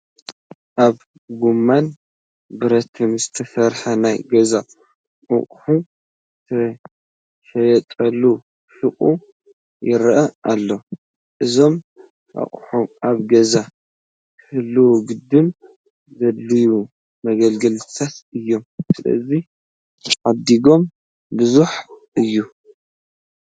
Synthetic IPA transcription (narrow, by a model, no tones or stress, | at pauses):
ʔaβ | ɡumːan | bɨɾɐt̪ʰɨmzɨt̪ʰɐsɐɾħɐnajɡɐza | ʔɐ̰χʼħu | zɨt̪ʰɐ | ʃɐjɛt̪ʼɐlːu | ʃɨχʼu | jɪɾʔɐʔalːo | ʔɨzo̞m | ʔa̰χʼħuʔaβɡɐza | kʰɨhɨlːuwɡɨd̪ːɨm | zɐlːiju | mɐɡɐlɡɐlt̪ʰat̪ɨjːo̞msɨlɐ̰zi | ʕad̪iɡo̞m | bɨzuħʔɨjːu